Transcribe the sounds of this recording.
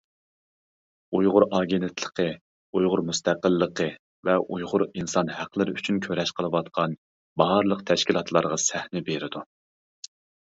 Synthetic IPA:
ujʁʊɾɑɡʲenɪt̪ʰlˠə̥qʰə | ujʁʊɾmust̪ʰæqəlˠːəqə | vɛʔujʁʊɾinsɑnhæqlˠɪɾɪyt͡ʃʰynkʲʰøɾɛʃqʰəlˠɨwɑt̪qʰɑn | bɑɑɾlˠəq̚t̪ʰɛʃkʲilˠɑt̪ʰlˠɑɾʁɑsæhnɪbeɾɪd̪u

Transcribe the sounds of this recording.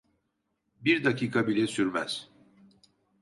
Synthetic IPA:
biɾd̪acʰiːkʰabilʲɛsyɾmæz̥

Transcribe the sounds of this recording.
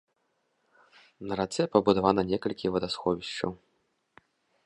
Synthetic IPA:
nɐɾat̪sɛpɐbud̪avanɐnʲɛkɐlʲkʲivɐd̪asxɔvʲiɕt͡ʃɐ̰w

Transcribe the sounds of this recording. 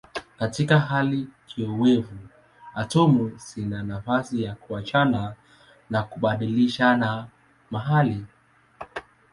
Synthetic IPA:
katikaɦalikʰiɔwɛvu | atɔmusinanafasijakuat͡ʃana | nakuɓaɗiliʃana | maɦali

